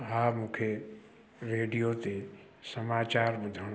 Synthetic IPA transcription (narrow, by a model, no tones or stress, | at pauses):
ɦaːmũːkʰe | ɾeːɖijot̪e | sɐmaːt͡ɕaːɾɓʊd̪ʱəɽ̃